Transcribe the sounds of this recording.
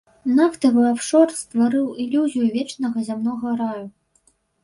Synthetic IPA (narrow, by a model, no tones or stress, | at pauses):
naft̪ɐvɨapʂɔrst̪vaɾɨwilʲuzʲijuvʲɛt͡ʂnɐɣɐzʲamnɔɣɐɾaju